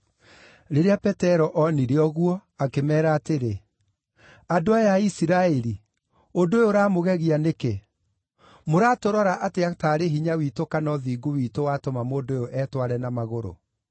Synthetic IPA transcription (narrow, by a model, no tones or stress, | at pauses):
ɾeɾeapɛtɛɾɔʔɔniɾeɔɣwɔakemɛːɾaːteɾe | adoajaisiɾaɛɾi | ondoojoɾaːmoɣɛɣianeke | moɾaːtoɾɔɾaʔateataːɾeɦiɲawiːtokanɔðiːɡowitowatɔmamoːndoojoʔɛːtwaɾɛnamaɣoɾo̰